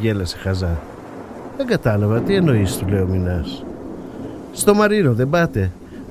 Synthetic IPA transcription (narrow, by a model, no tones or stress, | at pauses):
ʝe̞lɐsexɐzɐ | ðe̞ŋɡɐt̪ɐlɐvɐt̪ie̞no̞ist̪ule̞ominɐs | st̪o̞mɐɾino̞ðe̞bɐt̪e̞